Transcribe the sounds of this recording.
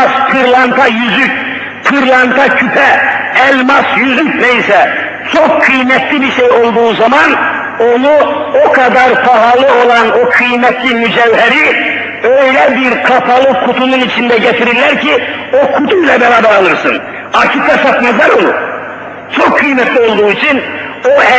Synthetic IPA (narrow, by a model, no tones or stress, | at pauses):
spʰɯɾlˠant̪ʰajyzyc | pʰɯɾlˠant̪ʰacʰypʰɛælʲmasjyzyc̚pʰɛisɛ | t͡ʃʰokʰːɯjmɛt̪ʰlʲibiʃejo̞lˠd̪uːzaman | o̞nu | o̞kʰad̪aɾpʰaɦalˠɯo̞lˠano̞kʰɯjmɛt̪ʰlʲimyd͡ʒævɦɛɾi | øjlʲɛbiɾkʰapʰalˠɯkʰut̪ʰununit͡ʃʰind̪ɛɟɛt̪ʰiɾiɾlʲæɾcʰio̞kʰut̪ʰuilʲɛbɛvad̪ɛːlˠɯɾsɯn | acʰik̪asat̪mazˠaɾonu | t͡ʃʰokʰːɯjmɛt̪lʲio̞lˠd̪uːit͡ʃʰin | o